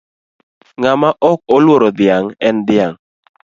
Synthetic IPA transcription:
ŋamaʔɔk̚olwoɾɔd̪ɪaŋɛnd̪ɪaŋ

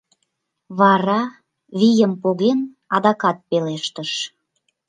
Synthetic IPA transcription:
βɑɾɑ | βijəmpoɣen | ɑd̪ɑkɑt̪̚peleʃt̪əʃ

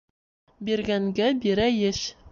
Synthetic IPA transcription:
biɾɡæŋɡæbiɾæjɘɕ

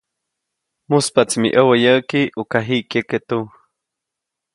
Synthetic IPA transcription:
muspat͡smḭʔəwəjəːkiʔukaɦiʔkjeket̪u

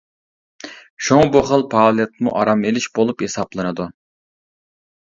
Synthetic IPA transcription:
ʃuŋbuχəlˠpʰɑːlˠɛt̪̚mṵʔɑɾɑmelɪʃbolˠuphesɑplˠɨnɨd̪u

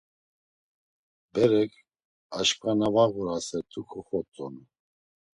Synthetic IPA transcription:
bɛɾɛkʰ | aʃkʰʼanavaɣuɾasɛt̪ʰʼukʰɔχɔt͡s̪ʼɔn

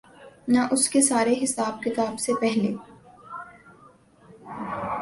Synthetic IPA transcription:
naʔʊskesaːɾeɦɪsaːb̚kɪt̪aːbsepɛɦleː

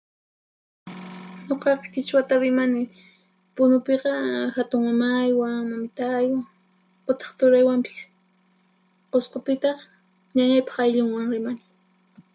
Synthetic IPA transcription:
ɲoqɑqɑ̥kɪt͡ʃwat̪aɾɪmanɪ | pʊnʊpeqɑxat̪ʊŋmamajwamamɪt̪aːjwa | qʊt̪ɑ̥χt̪ʊɾajwampɪ̥s | qosqopɪt̪ɑχ | ɲaɲajpɑ̥χajʎʊŋwaŋɾɪmanɪ

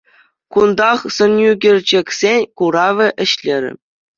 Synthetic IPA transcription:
kund̪ɑχsɤ̆njuɡʲɘ̆rʲd͡ʑɘ̆kʲsʲenʲkuɾɑʋʲɘ̆ʔɘ̆ɕlʲeɾʲɘ̰̆

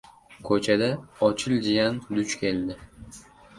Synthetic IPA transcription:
kʰɵt͡ʃʰad̪aɒt͡ʃʰɪld͡ʒɪjand̪ʊt͡ʃkʲʰe̞ld̪ɪ

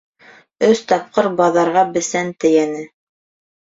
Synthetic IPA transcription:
ɵst̪ɑp̚qɤɾbɑðɑɾʁɑbɘ̆sænt̪ɘ̆jænɘ

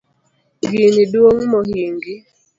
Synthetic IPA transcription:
ŋɡiniduoŋmɔhiŋɡi

